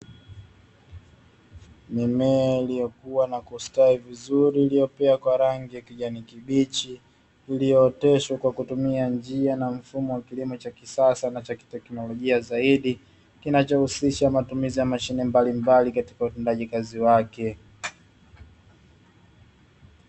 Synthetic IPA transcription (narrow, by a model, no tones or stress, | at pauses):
mɛmɛːlijɔkuwanakustaivizuɾiːlijɔpɛakwaɾaŋɡiakiʄanikiɓit͡ʃiː | lijɔːtɛʃwakwakutumiand͡ʒianam̩fumɔwakilimɔt͡ʃakisasanat͡ʃaki̥tɛknɔlɔʄiazaiɗi | kinat͡ʃɔhusiʃamatumizijamaʃinɛmbalimbalikati̥kautɛndaʄikaziwakɛ